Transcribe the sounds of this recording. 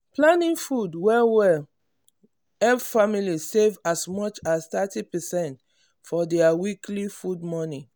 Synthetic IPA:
plãnĩnfudwɛwɛl | ɛvfamilisevasmɔt͡ʃast̪atipɛsɛ̃nt | fɔdɛawiklifudmɔni

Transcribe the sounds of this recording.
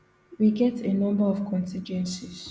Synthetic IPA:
wiɡɛtʰenʌ̃mbəɔvkʰɔ̃ntʰĩnd͡ʒwɛ̃nsiz̥

